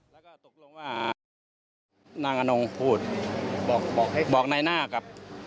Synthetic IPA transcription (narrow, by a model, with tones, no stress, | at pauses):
lɛː˦˥wkɔː˧˩t̪o˨˩k̚lo˧ŋwaː˧˩ | naː˧ŋʔa˧no˧ŋpʰuː˥˩t̪̚bɔː˨˩k̚bɔː˨˩k̚ha˥˩˨bɔː˨˩k̚na˧jnaː˥˩ka˧˥p̚